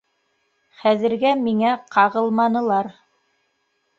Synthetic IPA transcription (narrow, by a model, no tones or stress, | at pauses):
χæðɘ̆ɾɡæmiŋæqʰɑʁɤlˠmɑnɤ̆lˠɑɾ